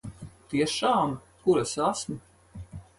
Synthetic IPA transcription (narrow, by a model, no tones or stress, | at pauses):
t̪iɛʃaːm | kuɾasasm